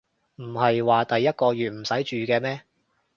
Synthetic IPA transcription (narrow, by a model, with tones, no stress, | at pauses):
m̩˨˩hɐ˨jwaː˨t̪ɐ˨jːɐ˥t̚kɔː˧ɥyː˨t̚m̩˨˩sɐ˨˥jt͡ʃyː˨kɛː˧mɛː˥